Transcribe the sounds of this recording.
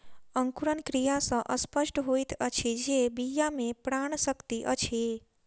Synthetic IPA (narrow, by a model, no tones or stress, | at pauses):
əŋkuɾənkɾijasə̃ʔəspəʃʈɦoit̪ʰət͡ʃʰed͡ʒebijamẽpɾaːɳ̃səkt̪iʔə̰t͡ʃʰe